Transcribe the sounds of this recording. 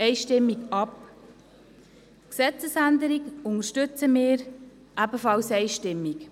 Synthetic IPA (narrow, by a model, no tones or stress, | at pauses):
ɛɪʃtɪmːiɡɑp | ksɛt͡səsænd̪əɾiɡʊŋəʃtʏt͡səmɪːɾ | ʔæbəfɑlsɛɪʃtɪmːik